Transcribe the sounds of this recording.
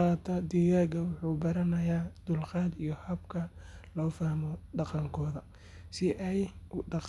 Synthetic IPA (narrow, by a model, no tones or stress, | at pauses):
aːt̪ʰɐd̪iɣaːɡɐwʊħuːbɐɾɐnɐjaːd̪̥ʊlqɑːd̪ijɔhɐbkʰɐlɔːfahmɔɖɑqɑŋkʰɔːðɐ | sɪʔɛjɖɑq